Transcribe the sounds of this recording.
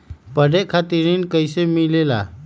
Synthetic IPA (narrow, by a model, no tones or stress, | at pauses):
pəɖekʰat̪iɾinkəjsemilela̰